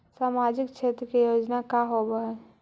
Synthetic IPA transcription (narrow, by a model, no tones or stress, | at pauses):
saːmad͡ʒɪkt͡ʃʰeːt̪ɾəkejoːd͡ʒnakaɦobəɦɛ